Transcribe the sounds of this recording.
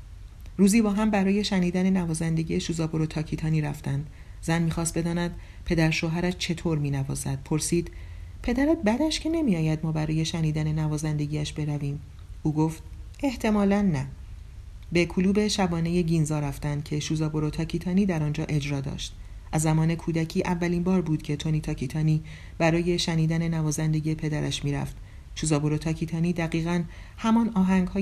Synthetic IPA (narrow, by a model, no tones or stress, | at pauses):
ɾuːziːbɒːɦæmbæɾɒːje̞ʃæniːd̪æne̞nævɒːzænd̪e̞ɟieʃuːzɒːboɾot̪ʰɒːcʰit̪ʰɒːniːɾæft̪ænd̪ | zænmiːxɒːst̪̚be̞d̪ɒːnæd̪̥ | pʰe̞d̪æɾʃoːɦæɾæʃt͡ʃʰe̞t̪ʰoːɾmiːnævɒ̰ːzæ̰d̪̥̚pʰo̞ɾsiːd̪̥pʰe̞d̪æɾæt̪̚bæd̪æʃcʰe̞ne̞miɒːjæd̪̚mɒːbæɾɒːje̞ʃæniːd̪æne̞nævɒːzænd̪e̞ɟiːæʃbe̞ɾæviːm | uːɡoːft̪̚ | e̞ht̪ʰe̞mɒːlænːæ | be̞kʰuluːbe̞ʃæbɒːne̞je̞ɟinzɒːɾæft̪ænd̪̥̚cʰe̞ʃuːzɒːboɾot̪ʰɒːcʰiːt̪ʰɒːniːd̪æɾɒnd͡ʒɒːʔe̞d͡ʒɾɒːd̪ɒ̰ːʃt̪ | ʔæzːæmɒːne̞kʰuːd̪æcʰiːʔævːæliːmbɒːɾbuːd̪̥cʰe̞t̪ʰo̞nit̪ʰɒːcʰit̪ʰɒːniː | b̥æɾɒːje̞ʃæniːd̪æne̞nævɒːzænd̪e̞ɡɟiːepʰe̞d̪æɾæ̰ʃmiːɾæ̰ft̪ | ʃuːzɒːboɾot̪ʰɒːcʰiːt̪ʰɒːniːd̪æɣiːɣæn | hæmɒnɒːɦæŋɡhɒː